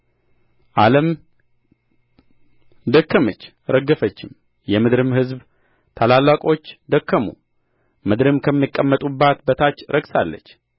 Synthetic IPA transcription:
ʔaləm | d̪əkːəmət͡ʃː | ɾəɡəfət͡ʃːɪm | jɛmɨd̪ɾɨmhɨzb | t̪ʰalalwakʼo̞t͡ʃːd̪əkːəmṵ | mɨd̪ɾɨmkʰəmːikʼːəmːət̪ʼubːat̪bət̪ʰat͡ʃːɾʔəɡsa̰lːə̰t͡ʃː

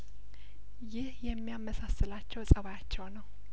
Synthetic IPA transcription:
jɪhjɛmːijamːəsasːɨlat͡ʃːɛwsʼəβajat͡ʃːɛwnəw

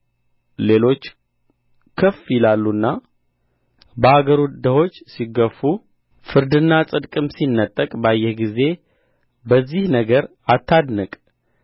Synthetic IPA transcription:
le̞lo̞t͡ʃː | kʰəfjɪlalːunːa | bəaɡəɾud̪əho̞t͡ʃːsiɡəfːu | fɨɾd̪ɨnːasʼɨd̪kʼɨmsinːət̪ʼːəkʼbajːɛhɡize̞ | bəzːihnəɡəɾ | at̪ʰːad̪nɨkʼ

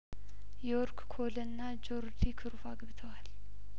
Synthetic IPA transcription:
jɛɔɾkkʰolənːad͡ʒoɾd̪ikʰɨɾufaɡɨβɨt̪ʰəwal

